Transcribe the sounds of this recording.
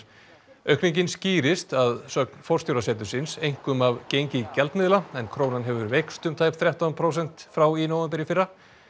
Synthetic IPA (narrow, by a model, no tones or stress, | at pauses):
œhkniɲcɪnsciːɾɪst̪aðsœknfɔr̥t̪jowɾasɛːt̪ʏ̥sɪnsejŋ̥kʏmavcejɲcɪcɛlt̪mɪðlaɛnkʰɾoːwnanɦɛvʏɾvejkst̪ʏmt̪ʰaːjpθɾjaht̪anpʰɾowsɛn̥t̪fɾawinowvɛmpɛɾjɪfɪrːa